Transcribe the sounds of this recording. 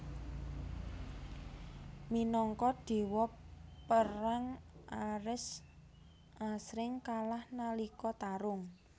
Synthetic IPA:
minɔŋkɔɖ̪̥e̤wɔpːəɾaŋaɾɪs | ʔasɾɪŋkalahnalikɔt̪aɾʊŋ

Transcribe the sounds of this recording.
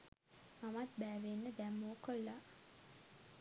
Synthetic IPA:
mamat̪̚bæːʋenːəd̪æmːoːkolːa

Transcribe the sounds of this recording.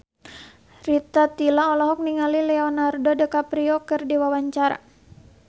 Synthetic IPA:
rit̪at̪ilaɔlɔɦɔk̚niŋalilɛɔnardodəkapɾiɔkɨrdiwawaɲt͡ʃaɾa̰

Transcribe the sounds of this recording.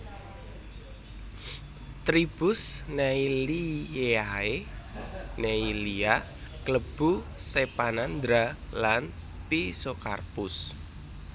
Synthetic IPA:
t̪ɾib̥ʊsneilieae | neilia | kləb̥ust̪epanand̪ɾalan | pisoka̰rpʊs

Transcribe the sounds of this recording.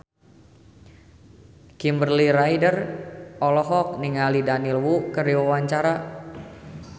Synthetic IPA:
kimbərliɾaidərɔlɔɦɔk̚niŋalidanilwukərdiwawaɲt͡ʃaɾa

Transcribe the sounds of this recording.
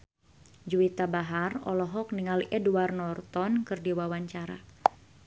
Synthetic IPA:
d͡ʒuit̪abaɦarɔ̰lɔɦɔk̚niŋaliʔɛduarnɔrt̪ɔnkɨrdiwawaɲt͡ʃaɾa̰

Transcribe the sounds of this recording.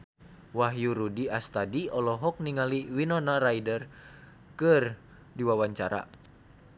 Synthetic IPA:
waɦjuɾudiast̪adiɔlɔɦɔk̚niŋaliwinɔnarajdər | kɨr | diwawaɲt͡ʃaɾa̰

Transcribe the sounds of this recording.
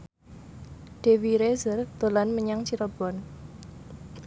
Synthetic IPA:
ɖ̥e̤wiɾezərd̪̥o̤lanməɲaŋt͡ʃiɾɔb̥ɔn

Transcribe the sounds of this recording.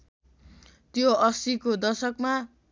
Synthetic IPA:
t̪joʌsikod̪ʌsʌkma

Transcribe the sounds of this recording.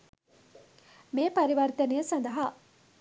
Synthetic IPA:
meːpɐɾiʋɐɾit̪ɐnijəsɐnd̪ɐɦa

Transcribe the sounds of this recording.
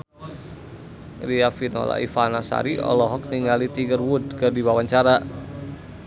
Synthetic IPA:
riafinɔ̰la̰ḭfanasa̰ɾiʔɔ̰lɔɦɔk̚niŋalit̪iɡərwud̚kɨrdiwawaɲt͡ʃaɾa

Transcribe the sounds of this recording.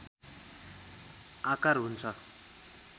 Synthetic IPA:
akaɾɦunt͡sʰʌ

